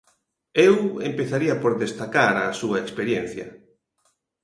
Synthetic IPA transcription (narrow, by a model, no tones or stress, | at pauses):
ewḛmpeθaɾiapoɾðest̪akaɾasuɐekspeɾjen̟θjɐ̰